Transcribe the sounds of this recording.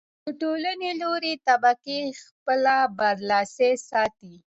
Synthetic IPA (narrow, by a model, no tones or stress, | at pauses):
d̪əʈolaneloɾet̪abakexpəlabaɾlɑsesɑt̪i